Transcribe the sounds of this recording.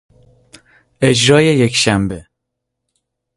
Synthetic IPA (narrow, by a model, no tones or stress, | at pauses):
ɛʒɾɑːjɛjɛkʃæmbe